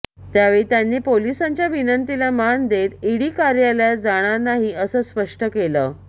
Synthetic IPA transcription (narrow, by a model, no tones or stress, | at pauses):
t̪jaʋeɭit̪janːiːpolisaɲt͡ɕjaʋinənt̪ilamand̪et̪iɽiːkaɾjaljad͡zaɽ̃aɾnaɦiːəsəːspəʂʈəkeləː